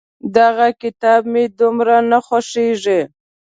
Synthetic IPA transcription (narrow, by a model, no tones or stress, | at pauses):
d̪aɣakɪt̪ɑbmed̪ʊmɾanaxwaʂeʐi